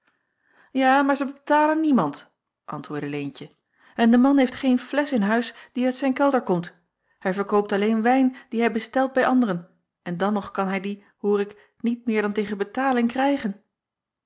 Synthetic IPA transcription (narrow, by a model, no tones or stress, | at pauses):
jaːmaːɹzəbətaːlənːimɑnt | ʔɑ̰ntʋʊːɹdəlejncə | ɛndəmɑnɦejftχejnflɛsɪnɦœɥsd̥iœɥtsɛjnkɛlˠdəɹkɔmt | hɛjvəɹkowp̚tɑlejnʋɛjnd̥iɦɛjbəstɛlˠd̚bɛjʔɑndərən | ʔɛndɑnɔχkɑnɦɛjdi | huːrɪk | nit̚mɪːɹdɑntejχənbətaːlɪŋkrɛjχən